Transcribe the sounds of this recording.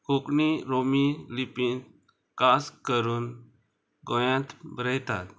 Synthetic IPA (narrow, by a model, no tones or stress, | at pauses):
kukniɾomilipĩt̪ | kaskəɾun | ɡɔ̃jãt̪bɾɛjt̪a̰t̪